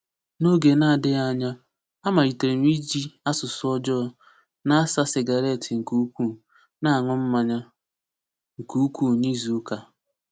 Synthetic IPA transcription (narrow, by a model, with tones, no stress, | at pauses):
no˦ɡe˨na˦˨a˨dɪ˦a˦ɲa˦ | a˦ma˨ɾi˨te˨ɾe˨m˦i˦d͡ʒi˦a˦sʊ˨sʊ˦ɔ˦d͡ʒɔ˦ | na˦a˦sa˦sɪ˨ɡa˨ɾe˦˨tʰɪ˨ŋ̩˨ku˦kʷu˦˨ | na˦a˨ŋʊ˦m̩˦ma˨ɲa˦ | ŋ̩˨ku˦u˦kʷu˦˨ni˦zu˨˦ka˨